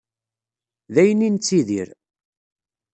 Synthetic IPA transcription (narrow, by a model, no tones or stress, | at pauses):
ðæjənint͡sːiðiɾ